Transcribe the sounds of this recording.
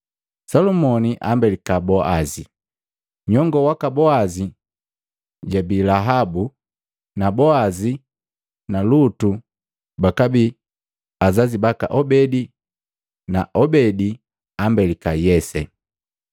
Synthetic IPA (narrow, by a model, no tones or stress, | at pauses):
sɔlumɔniʔambɛlikabɔʔazi | ɲɔŋɡɔwakabɔazi | ɟabilaɦabu | nabɔazi | nalutu | bakabi | azazibaka̰ʔɔbɛdi | naʔɔbɛdi | ambɛlikajɛsɛ̰